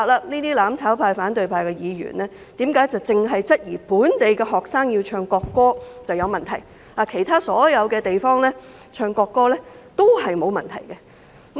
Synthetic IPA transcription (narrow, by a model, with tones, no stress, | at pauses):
a˨˧k̚laː˧niː˥t̪iː˥laː˨˥mt͡sʰaː˨˥wpʰaː˧jfaː˨˥nt̪ɵ˨ɥpʰaː˧jkɛ˧jiː˨˧ɥy̰ː˨˩nlɛː˥ | t̪iː˨˥mkaː˨˥jt͡sɐ˨wt͡sɪ˨ŋɦɐ˨jt͡sɐ˥t̚jiː˨˩puː˨˥nt̪e˨jkɛ˧ɦɔː˨k̚saː˥ŋjiː˧wt͡ʃʰœː˧ŋkɔː˧kːɔː˥t͡sɐ˨wjɐ˨˧wmɐ˨nt̪ʰɐ˨˩j | a˨˧kʰe˨˩jt̪ʰaː˥sɔː˨˥jɐ˨˧wkɛː˧t̪e˨jfɔː˥ŋlɛː˥ | t͡ʃʰœː˧ŋkɔː˧kːɔː˥lɛː˥t̪o˥whɐ˨jmo˨˧wmɐ˨˩nt̪ʰɐ̰˨˩jkɛ˧